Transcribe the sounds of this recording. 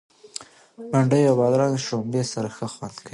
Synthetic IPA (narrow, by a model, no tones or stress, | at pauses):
baɳɖəjawbɑd̪ɾɑnʃombesaɾaxəxwand̪kʰawi